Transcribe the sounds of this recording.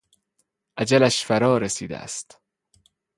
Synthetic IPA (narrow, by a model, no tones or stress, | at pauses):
ʔæd͡ʒælæʃfæɾɒːɾesiːd̪æ̰æ̰st̪